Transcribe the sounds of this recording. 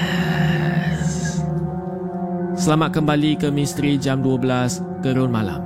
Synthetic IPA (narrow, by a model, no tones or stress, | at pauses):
s | səlamat̪̚kəmbalikəmĩst̪ɾid͡ʒamduabəlas | kəɾʊnmala̰m